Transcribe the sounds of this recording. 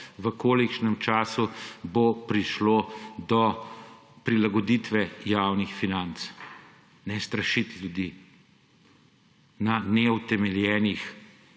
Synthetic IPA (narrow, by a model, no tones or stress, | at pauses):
ʋəkoːlikʃnɛmt͡ʃaːsubopɾiʃloːd̪ɔ | pɾilaɡɔd̪it̪ʋɛjaːwnixfinant̪s | nɛst̪ɾɐʃit̪ljud̪i | nanɛut̪ɛmɛljɛːnix